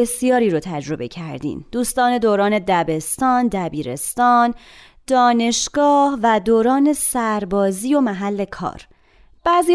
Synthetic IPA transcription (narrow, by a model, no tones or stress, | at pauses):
esjɒːɾiːɾot̪ʰæd͡ʒɾo̞be̞cʰæɾd̪ḭːmd̪̥uːst̪ɒːne̞d̪oːɾɒːne̞d̪æbe̞st̪ɒːnd̪æbiːɾḛst̪ɒːn | d̪̥ɒːne̞ʃɡ̥ɒːhvæd̪oːɾɒːne̞sæɾbɒːziːo̞mæɦælːe̞kʰɒ̰ːɾ | b̥æːziː